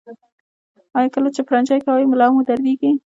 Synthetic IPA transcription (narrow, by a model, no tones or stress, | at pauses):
ɑjɑkəlat͡ʃepɾand͡ʒɑjkawəjmʊlɑmud̪aɾd̪iɡi